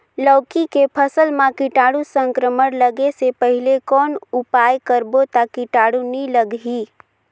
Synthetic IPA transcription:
ləːkikepʰəsəlmãkɪʈaːɽusə̃ŋkɾəməɽləɡesepəɦɪlekɔːnʊpaːjkəɾbot̪akɪʈaːɽuniləɡɦiː

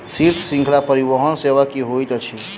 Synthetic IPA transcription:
siɾt̪ʰsĩŋkʰlapəɾibəɦənseʋakiɦojt̪t͡ʃʰi

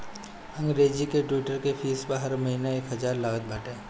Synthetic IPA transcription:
ɐ̃ŋɡɾeːd͡ʒikeʈuːʈəɾkefʰiːspəɾɦɐɾmɐɦiːnaeːkɦɐzaːɾlaːʋət̪̚bʱɐʈẽː

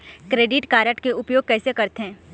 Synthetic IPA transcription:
kɾeːɖɪʈkaːɾəʈkeʊpjoːɡ̚kɛːsekɐɾt̪eɦɛ̃ː

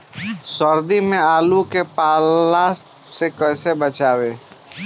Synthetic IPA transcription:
səɾd̪imẽaːlukepaːlassekəɪsebət͡ʃaːwe

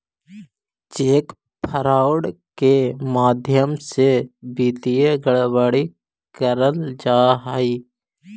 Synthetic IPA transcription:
t͡ʃeːk | pʰəɾaːʊɽkemaːd̪ʱjəmsebiːt̪ijeɡəɭwaːɽi | kəɾəld͡ʒaːɦaːiː

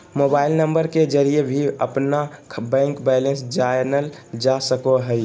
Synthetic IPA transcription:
mobaːɪlnəmbəɾked͡ʒəɾiebʱiəpnabɛ̃ŋkbɛlẽnsd͡ʒanəld͡ʒasəkoɦəɪ

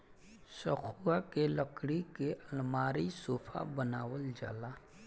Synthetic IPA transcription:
səxʰuːakeləkɽikeʔɐlmaːɾisoːfʰa̰bənaːwəld͡ʒa̰ːlaː

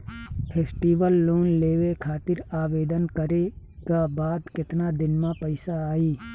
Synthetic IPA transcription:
pʰeːsʈiːʋəlːoːnleːʋekʰaːt̪ɪɾaːʋeːd̪ənkəɾe | kabaːd̪kɪt̪nad̪ɪnmãpəɪsaːiː

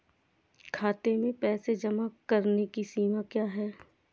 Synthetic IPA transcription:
kʰaːt̪emẽpɛːsed͡ʒɐmakɐɾnekisiːmakjaːɦɛː

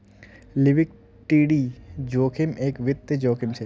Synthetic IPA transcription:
lɪʋɪk̚ | ʈiːɖiːd͡ʒoːkʰɪmʔeːkʋɪt̪ːəd͡ʒoːkʰɪmt͡ʃʰe

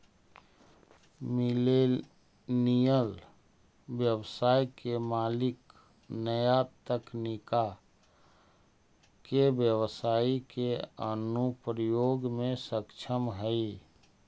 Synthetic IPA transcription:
mɪle | nijəl | bjəwsaːikemaːlɪk | nəjat̪əknika | kebjəwsaːikeənupɾəjoːɡmẽsəkt͡ʃʰəmɦəi

